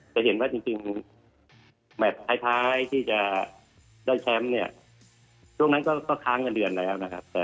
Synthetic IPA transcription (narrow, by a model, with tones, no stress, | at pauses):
t͡ɕɛ˧˩he˨˩˦nwaː˥˩t͡ɕi˧ŋt͡ɕi˧ŋ | bɛː˨˩t̪ʰaː˦˥jt̪ʰaː˦˥jt̪ʰiː˥˩t͡ɕa˨˩ | daː˥˩jt͡ɕʰɛ˦˥mni˥˩ɐ | t͡ɕʰu˥˩əŋna˦˥nkɔː˥˩kɔː˥˩kʰaː˧˥˩ŋka˧ndɯ˧˩ənlɛː˦˥wna˦˥kʰa˦˥p̚t̪ɛː˨˩